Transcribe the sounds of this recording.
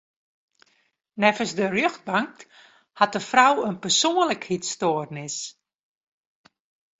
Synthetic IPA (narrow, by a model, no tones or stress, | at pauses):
nɛfəsdərjøxt̚baŋk̚ | hat̚dəfrawənpərsoːənləkhitstoərnɪs